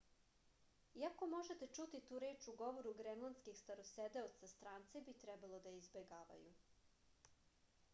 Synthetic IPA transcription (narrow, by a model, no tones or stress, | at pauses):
iako̞mo̞ʒet̪et͡ʂut̪it̪uːɾe̞ːt͡ʃuɡo̞ʋoɾuɡɾemlˠanskixst̪aɾosed̪eot̪sast̪ɾaːnt̪sebit̪ɾɛbalˠo̞d̪aizbeɡaːʋa̰ju